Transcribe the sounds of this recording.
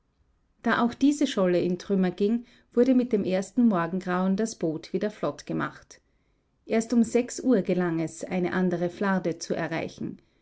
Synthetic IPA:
d̥aːʔaʊxd̥iːzəʃɔləɪntʁ̥ʏmɐɡɪŋ | v̥ʊɐɾəmɪt̚d̥eːmʔeːɐstn̩mɔɐɡŋ̩ɡʁaʊndasb̥oːtv̥iːdɐflɔtɡ̥əma̰χt | ʔeːɐstʊmzɛksʔuːɐɡəlaŋɛsʔa̰ɪnə̰ʔandəʁəflaɐdət͡suʔɛ̰ɐʁa̰ɪçn̩

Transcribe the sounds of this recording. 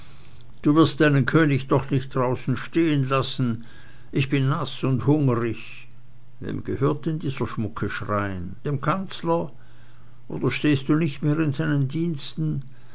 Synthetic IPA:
d̥uːvɪɐst̚d̥aɪnənkʰøːnɪçd̥ɔχnɪçt̚d̥ʁaʊsn̩ʃteːənlasn̩ | ʔɪçb̥ɪnːasʊnthʊŋʁɪç | vḛːmɡ̥əhøːɐt̚ɪndiːzɐʃmʊkʰəʃʁaɪənd̥eːmkʰant͡slɐ | ʔo̰ːdɐʃteːst̚d̥uːnɪçtmeːʁɪnzaɪnəndiːnstn̩

